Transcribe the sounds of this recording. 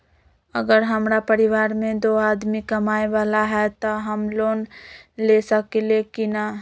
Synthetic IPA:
ə̰ɡəɾɦəmɾapəɾiʋaːɾmẽd̪oad̪mikəmaeʋalaɦɛt̪ɔɦəmlonlesəkelekina

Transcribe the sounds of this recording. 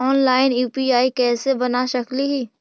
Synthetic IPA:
ɔːnlaːɪnjuːpiaːikɛːsebɐnaʃɐkliɦiː

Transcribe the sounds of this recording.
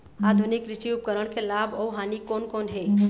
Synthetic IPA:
ad̪ʱunɪkɾɪt͡ʃiʊp̚kəɾəɽ̃kelaːbʱɔuɦaːnikoːnkoːnɦe

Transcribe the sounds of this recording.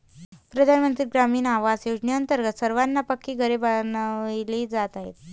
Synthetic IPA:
pɾəd̪ʱanmənt̪ɾiɡɾamiːnaʋad͡zjod͡ʑɳeənt̪əɾɡət̪səɾʋanːapəkːiːɡʱəɾebanʋiliːd͡zat̪aɦḛt̪̚

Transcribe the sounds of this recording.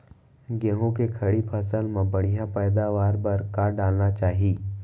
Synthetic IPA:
ɡẽːɦõkekʰɐɽipʰəsəlmãbɐɽ̃ijãpɛːd̪aʋaːɾbɐɾkaɖaːlnat͡ʃaːɦiː

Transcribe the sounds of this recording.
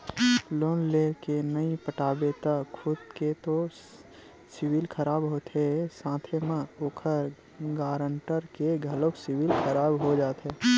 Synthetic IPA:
loːnleːɾkenəipəʈaːbet̪əkʰʊd̪ket̪o | sɪwɪlkʰəɾaːbɦoːt̪ɦɛsãːt̪ʰemãoːkʰəɾ | ɡaːɾə̃ɳʈəɾkeɡʱɐləksɪwɪlkʰəɾaːbɦod͡ʒaːt̪ɦɛː

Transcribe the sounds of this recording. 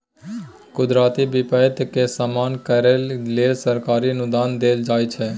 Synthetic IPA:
kʊd̪ɾaːt̪ibɪpəɪt̪kesamaːnkəɾellesəɾkaːɾiənʊd̪aːnd̪eːld͡ʒaːet͡ʃʰɛː

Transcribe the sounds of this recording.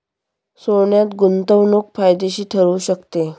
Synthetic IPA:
soɳjat̪ɡunt̪əʋnok̚fajd̪eɕiːt̪ʰəɭuːɕəkt̪e

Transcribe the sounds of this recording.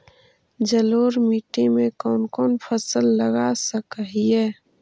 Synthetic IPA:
d͡ʒəloːɾmiːʈimẽkɔːnkɔːnpʰəsəlːəɡasəkəɦiɦɛː

